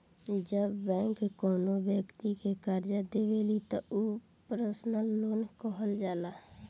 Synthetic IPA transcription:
d͡ʒəbːɛ̃ːŋkːkɔːnobjəkt̪ikekaɾd͡ʒad̪ebelit̪ɔu | pɾəsnəlːoːnkəɦəld͡ʒaːla

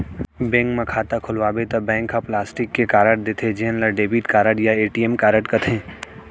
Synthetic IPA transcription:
bɛ̃ːŋkmẽkʰaːt̪akʰʊlʋaːbet̪ɐbɛ̃ːŋkʰːaplaːsʈɪkːekaːɾəʈ̚d̪eːt̪ʰed͡ʒenlɐɖeːbiʈkaːɾəʈjaeːʈiːemkaːɾəʈkɐt̪ʰẽː

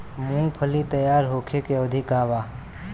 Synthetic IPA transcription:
mũːpʰəlit̪əjaːɾɦoːkʰekeəd̪ʱikaːʋaː

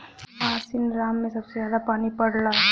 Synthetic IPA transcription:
ãːsɪnɾaːmːẽsɐbsezjaːd̪apaːnipɐɽlaː

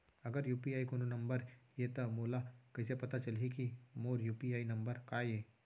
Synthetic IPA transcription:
ɐɡəɾjuːpiaːikononɐ̃mbəɾjet̪ɐmoːlakɐɪsepɐt̪at͡ʃɐlɦikimoːɾjuːpiaːinɐ̃mbəɾkaːjeː

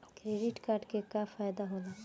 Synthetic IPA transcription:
kɾeːɖɪʈkaːɾɖkekafaːjd̪aɦola

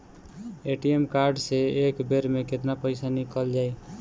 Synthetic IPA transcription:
eʈiemkaɾɖseekbeɾmeket̪napəɪsanikəld͡ʒaj

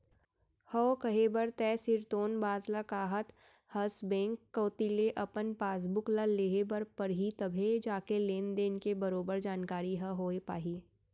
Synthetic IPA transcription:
həokɐɦebəɾt̪ɛːsɪɾt̪oːnbaːd̪ləkaːɦət̪ | hɐsbɛ̃ːŋkːoːt̪ileʔɐpənpaːs̬bʊklaleːɦebɐɾpɐɾɦit̪ɐbʱed͡ʒaːkeleːnd̪eːnkebɐɾoːbəɾd͡ʒaːnkaːɾiɦɐɦoːepaːɦiː

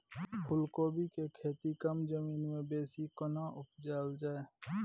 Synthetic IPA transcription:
pʰʊlkoːbikekʰeːt̪ikəmd͡ʒəmiːnmẽbeːsikənaʔʊp̚d͡ʒaːld͡ʒaːe

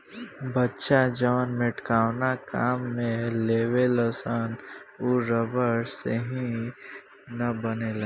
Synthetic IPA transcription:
bətːʃad͡ʒəʋənmɪʈkaːwnakaːmːẽleːwelɐsaːnuɾəbəɾseɦĩ | nɐbənelɐ

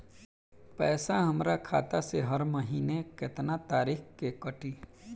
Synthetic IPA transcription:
pɛːsaɦɐmɾakʰa̰ːt̪aseɦɐɾməɦiːnekɪt̪nat̪aːɾiːxkkekəʈiː

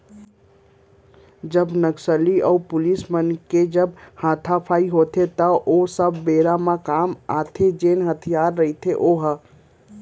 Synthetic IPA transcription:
d͡ʒəbnəksəliɔupʊlismənked͡ʒəbhãːt̪ʰapʰaːiɦot̪ʰet̪əʔosəbːeɾamãkamat̪ʰed͡ʒenɦət̪ʰijaɾːəɦit̪ʰeʔoɦə

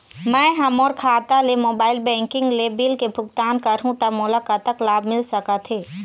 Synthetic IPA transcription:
mɛ̃ːɦɐmɔːɾkʰaːt̪alemoːbaːɪlbɛ̃ːŋkɪ̃ŋɡlebɪlkebʱʊɡ̚t̪aːnkɐɾɦũt̪əmʊlaːkat̪əklaːbmɪlsɐkat̪ʰeː

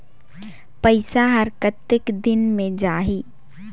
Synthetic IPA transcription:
pəɪsaɦɐɾkət̪ːɪkd̪ɪnmẽd͡ʒaːɦiː

